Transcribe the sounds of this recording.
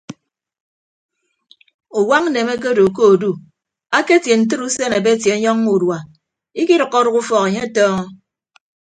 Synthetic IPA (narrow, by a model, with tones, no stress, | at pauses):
u˨wa˦ŋn̩˦ne˨me˦k̬e˦do˨ko˦o˨du˦ | a˦ke˦tje˨n̩˨t̬ɨ˦ɾu˦se˦ne˨be˦tje˨˦ɲɔ˦ŋu˨dwa˨ | i˦ki˦ɾɨ˨kːɔ˦ɾu˦ku˦fɔ˨ke˨ɲe˦tɔː˦ŋɔ˦